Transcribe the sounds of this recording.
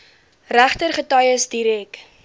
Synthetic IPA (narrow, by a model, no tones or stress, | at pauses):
ræχtərχətɐjəsdiɾɛk